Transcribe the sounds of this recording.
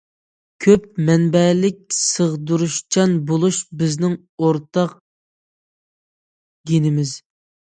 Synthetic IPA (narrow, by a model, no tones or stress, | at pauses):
kʲʰøp̚mɛnbɛlɪk̚ʲsəʁd̪uɾuʃt͡ʃʰɛnbolˠuʃbɪznɪŋ | oɾt̪ʰɑq | ɡʲinɪmɪz